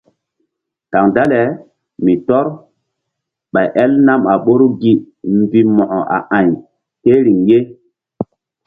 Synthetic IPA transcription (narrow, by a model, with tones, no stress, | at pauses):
ka˨ŋda˦le˨ | mi˨tɔ˦ɾ | ɓa˨jʔɛ˦lna˦ma˨ɓo˦ɾu˦ɡi˦ | mbi˦mɔ˨ʔɔ˨ʔa̰˨ʔa˨j | ke˦ɾi˨ŋje˦